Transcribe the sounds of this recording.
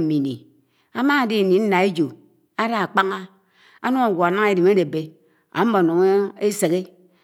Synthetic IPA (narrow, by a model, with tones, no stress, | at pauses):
mi˨nḭ˨ | a˦ma˦˨di˦˨ni˨n̩˦na˨e˦d͡ʒu˨ | a˦da˦a˨k͡pa˦ŋa˦ | a˦nu˦a˨ɡʷo˨a˨na˦ŋ˦e˦di˨me˦de˨be˦ | a̰˨˦m̩˦bo˨no˨ŋ˦e˦se˨ɣe˦